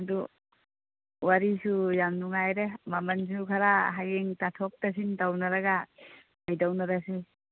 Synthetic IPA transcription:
adu | waɾisujamnuŋajɾemamans̬ukʰaɾaɦajeŋtatʰɔk̚tas̬intawnaɾaɡa | ajdawnaɾasi

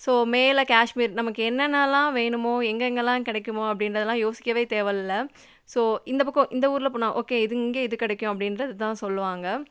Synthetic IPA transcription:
soːmeːlɐkaːʂmiːɾnɐmɐkːɯɛnːɐnːaːlãːʋeːɳɯmoːɛŋɡɛŋɡɐlãːkɪɽɛkʲːɯmoːɐpːɐɽɪnɾɐðɛlːãːjoːsɪkːɐʋeːt̪eːʋɐlɪlːɐ | soːɪnd̪ɐp̬ɐkːõʔɪnd̪ɐuːɾɪlɐpoːɳãːʔoːkeːɪðɯɪŋɡeːɪðɯkɪɽɛkːʊ̃ɐpːɐɽɪnɾɐðɯt̪ãːsɔlːɯʋaːŋɡɐ

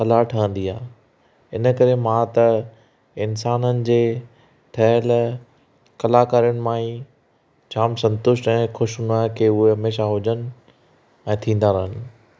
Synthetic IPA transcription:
xɐlaʈʰɐə̃n̆d̪iaː | ɪnə̆kɐɾemãt̪ɐ | ɪnsaːnənɪ̆d͡ʑeː | ʈʰɐɦl | kɐlaːkaːɾijʊnɪ̆mãːĩ | t͡ɕʰaːmsɐ̃nt̪ʊʃʈɛ̃ːxʊʃɦʊnaːɦkeːʊɦeɦɐmeːʃaɦʊd͡ʑənɪ̆ | ɛ̃ːt̪ʰĩːn̆d̪aːɾəɦənɪ̆

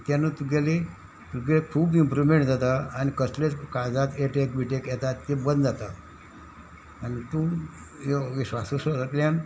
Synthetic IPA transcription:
t̪janət̪uɡele | t̪uɡelekʰuːbimpɾumẽɳʈd͡zat̪aanikəslet͡skad͡zat̪eʈekbiʈekjɛt̪at̪ːebənd̪d͡zat̪a | nit̪ũː | jɔʋiɕʋasusəɾəkljan

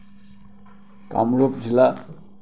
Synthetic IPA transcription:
ka̰mɾopd͡ʒila

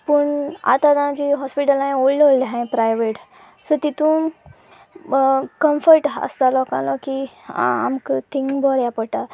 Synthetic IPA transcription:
pəɳa̰t̪ad̪ãd͡ʑiɦɔspiʈəlãj̃ollollɦãj̃pɾajʋeʈ | sət̪it̪ũ | kəmfəɾʈə̰st̪alɔkã̰lɔkiã̰amkt̪ʰĩŋɡkbʱɔɾjapəʈ̪a

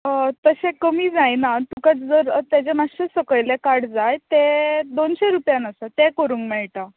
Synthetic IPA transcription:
ət̪əɕẽkəmiːd͡zajnat̪ukat͡sd͡zəɾt̪jat͡ɕemaɕəsəkəɭlekaɽd͡zajt̪ed̪onɕeɾupjanəsat̪ekəɾuːŋkmɛɭʈa

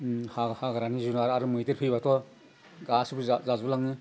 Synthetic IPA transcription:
hahaɡaɾanizunaɾaɾɯmɯjtɯɾpʰɯjbatʰɔ | ɡasubɯzzazlaŋnɯ

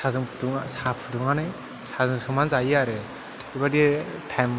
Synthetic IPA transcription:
sazɯŋpʰuduŋasapʰuduŋanaj | sazɯŋsɯŋmanzajaɾɯ | ibaditʰajm

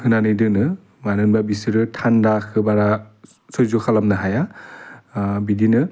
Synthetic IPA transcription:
hɯnanɯjdɯnɯ | manɯnbabisɯɾɯtʰandakʰɯbaɾa | sojzokʰalamnɯɦaja | bidinɯ

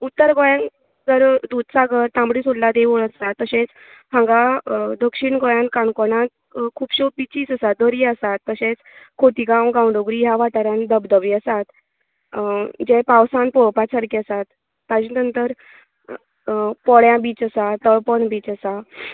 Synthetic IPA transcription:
ut̪ːəɾɡɔjãn | d͡zəɾd̪ud̪saɡəɾt̪ãmbɽisollad̪eʋuɭəsat̪ːəɕẽt͡s | hãŋɡad̪əkʂiɳɡɔjãnkaɳkɔnãt̪̚ | kʰuːbɕopit͡ɕiːt͡səsad̪əɾiəsat̪ːəɕẽt͡skʰoʈ̪iɡãwɡãwɳɖoɡɾiɦjaʋaʈaɾãnd̪əbd̪əʋiəsat̪ | d͡ʑepawsãnpɔɭpasʰaɾkʰiəsat̪ː | ad͡ʑinənt̪əɾ | pɔɭjãbiːt͡səsat̪əɭpəɳbiːt͡səsa

